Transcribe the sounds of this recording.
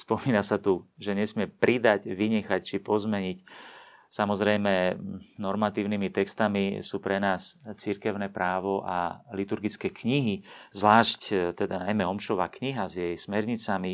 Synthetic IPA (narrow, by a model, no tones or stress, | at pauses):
spɔmiːnasat̪uʒɛɲɛsmɪɛpɾʔid̪aɟʋiɲɛxact͡ʃipɔzmɛɲic | samɔzɾɛjmɛnɔɾmat̪iːʊnimit̪ɛkst̪amisuːpɾɛnaːst͡siɾkɛʊnɛpɾaːʋɔʔa̰lit̪uɾɡit͡skɛːkɲiɦizʋlaːʃct̪ɛd̪anajmɛɔmʃɔʋa̰ːkɲiɦazjɛjsmɛɾɲit͡sami